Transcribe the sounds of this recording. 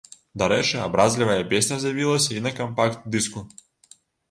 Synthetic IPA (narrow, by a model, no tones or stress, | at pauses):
d̪ɐɾɛt͡ʂɨabɾazʲlʲivɐjɐpʲesʲnʲɐzjavʲilˠɐsʲɐinɐkɐmpakt̪̚d̪ɨsku